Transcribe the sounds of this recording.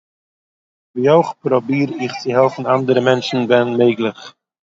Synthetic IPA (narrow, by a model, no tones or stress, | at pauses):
viːoɪχpɾɔbiːɾɪχt͡sɪɦɛlˠfn̩andəɾəmɛnt͡ʃn̩vɛnmeɪɡlˠɪχ